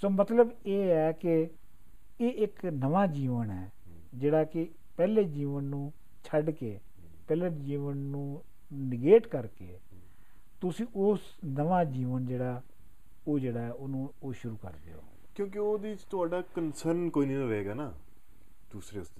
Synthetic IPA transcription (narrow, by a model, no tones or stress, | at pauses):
soːmət̪ləbeːɛːkɪ | eːɪknəʋaːd͡ʒiːʋənɦɛː | d͡ʒeːɽaːkɪ | pɛːleːd͡ʒiːʋənːũː | t͡ʃʰəɖkeː | pɛːleːd͡ʒiːʋənnũː | nɪɡeːʈkəɾkeː | t̪ʊsĩːʔoːs | nəʋaːd͡ʒiːʋənd͡ʒeːɽaː | oːd͡ʒeːɽaːɛːonũːoːʃʊɾuːkə̰ɾd̪ḛːo̰ː | kjõːk̬eoːd̪eːɪt͡ʃt̪ʊaːɖaːkənsəɾnkoːiːnĩːəʋeːɡaːnaː | d̪̥uːsɾeːʊsd̪e